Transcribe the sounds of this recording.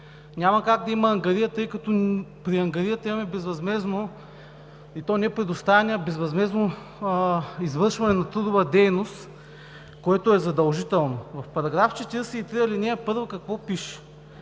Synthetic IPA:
nʲamɐkaɡ̚d̪ɐimɐːŋɡɐɾijət̪ɤjkɐt̪ɔpɾiɐŋɡɐɾijət̪ɐimɐmɛbɛzvɐzmɛzno | it̪ɔnɛpɾɛd̪ost̪avɛnʲəbɛzvɐzmɛzno | izvɤɾʃvɐnɛnɐt̪ɾud̪ʊvɐd̪ɛjnost̪ | koɛt̪ʊɛzɐd̪ɐlˠʒit̪ɛlˠnovɐfpɐɾɐɡɾaft͡ʃɛt̪iɾsɛit̪ɾiɐlinʲɛɛpɤɾvəkɐkvɔpiʃɛ̥

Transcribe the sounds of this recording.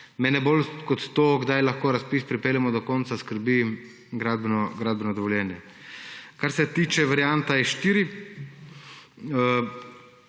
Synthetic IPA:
mɛnɛbolkɔt̪t̪oɡd̪ajlaxkoːɾaspispɾipeːljɛmɔd̪ɔkɔnt̪saskəɾbi | ɡɾad̪bnɔɡɾad̪̚bɛnɔd̪ɔʋɔljɛːnjɛ | kaɾsɛt̪iːt͡ʃɛʋaɾjant̪aɛʃt̪iːɾi | ə

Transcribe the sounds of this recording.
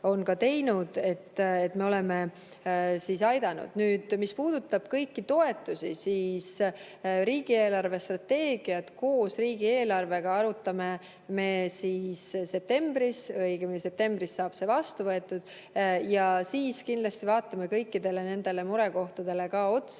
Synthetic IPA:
o̞nkɑt̪e̞jnud̪̥e̞t̪ːet̪me̞o̞le̞me̞ | siːsɑjd̪ɑnṵd̪̥nyːd̪̥mispuːd̪̥ut̪ːˑɑb̥kɤjkːit̪o̞e̞t̪ːˑusisiːs | ɾiːɡ̥ie̞ːlɑrve̞st̪rɑt̪ːe̞ːɡ̥iɑt̪ko̞ːsriːɡie̞ːlɑrve̞ɡ̥ɑɑɾut̪ːˑɑme̞ | me̞sisse̞p̚t̪e̞mbɾisvɤjkɑmse̞p̚t̪e̞mb̥ɾisːɑːb̥se̞vɑst̪uvɤe̞t̪ˑːud̪̥ | jɑsiːskind̪̥lɑst̪ivɑːt̪ːˑɑme̞kɤjkːid̪̥e̞le̞ne̞nd̪̥e̞le̞muɾeko̞ht̪ɑd̪̥e̞le̞kɑo̞t̪s

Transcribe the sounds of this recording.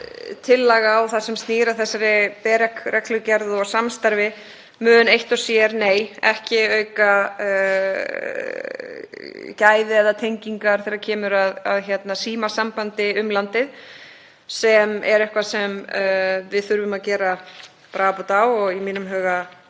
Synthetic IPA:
t̪ʰɪlːaɣaɔθasɛmst̪niːɾaθɛsːaɾɪpɛːɾɛkrɛklʏcɛɾðɔɣsamst̪aɾvɪ | mœːðʏnejht̪ɔsjɛɾneːjɛ̰hcɪœːɥka | caːjðɪɛðat̪ʰejɲciŋkaɾ̥θɛːɾacʰɛːmʏɾaða̰ðçjɛt̪nasiːmasampant̪ɪʏmlant̪ɪð | sɛmɛ̰ɾɛhkvasɛm | vɪðθʏɾvʏmaðcɛːɾa | pɾaːpɔt̪awɔɣimiːnʏmɦœːɣa

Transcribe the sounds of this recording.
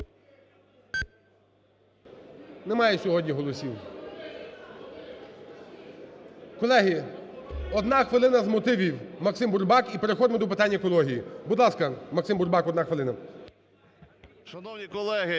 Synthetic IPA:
nɛmɑjɛsʲɔɦɔdʲɲʲiɦɔlˠɔsʲiw | kɔlˠɛɦi | ɔd̪nɑxʋɪlˠɪnɐzmɔt̪ɪʋʲiwmɐksɪmburbɑkipeɾexɔd̪ɪmɔd̪ɔp̬ɪt̪ɑnʲːɐkɔlˠɔɦʲijibud̪lˠɑskɐmɐksɪmburbɑkɔd̪nɑxʋeɪlˠɪnɐ | ʃɐnɔwnʲikɔlˠɛɦɪ

